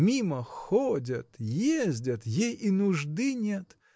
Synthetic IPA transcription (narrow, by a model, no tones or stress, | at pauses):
mʲiməxodʲət̪jezʲdʲət̪jejinʊʐd̪ɨnʲet̪